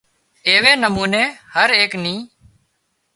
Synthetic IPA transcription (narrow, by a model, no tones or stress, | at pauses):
eːʋeːnəmuːneːhəɾeːknĩː